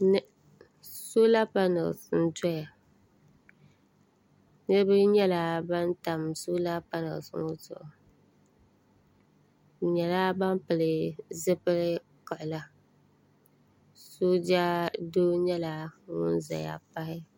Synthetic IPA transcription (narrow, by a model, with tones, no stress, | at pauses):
n˦ | so˦la˦pa˦nɛ̰˨lsn̩˦tɔ˦ja˨ | nɨ˦ɨ˦bɨ˦ɲɛ˦la˨ba˦n˦ta˨mso˦la˦pa˦nɛ̰˨lsŋo˦tʊ̰˨ʔʊ˨ | ɲɛ˨la˦ba˦mpɨ˨lɪ˨zɨ˦pɨ˦lɪ˦ | kɔ˨ʔʊ˨la˦ | so˦d͡ʒa˦doː˦ɲɛ˦la˨˦ŋʊ˦n˦za̰˨ja̰˨pa˦hɪ˦